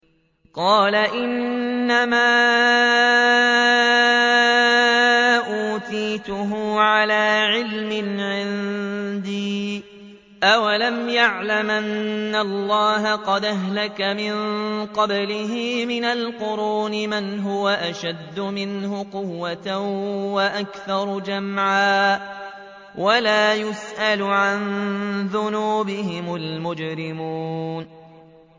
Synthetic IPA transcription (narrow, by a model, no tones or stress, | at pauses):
qɑːlaʔɪnːamaː | ʔuːt̪iːt̪ʊɦʊʕalaːʕɪlmɪnʕɪnd̪iː | ʔawalamjaʕlamʔanːallːɑːɦaqɑd̪ʔaɦlakamɪnqɑblɪɦɪmɪnalqʊɾuːnɪmanɦʊwaʔaʃad̪ːʊmɪnhʊqʊwːat̪waʔakθɑɾˤd͡ʒamʕaː | walaːjʊsʔalʊʕanðʊnuːbɪhɪmʊlmʊd͡ʒɾɪmuːn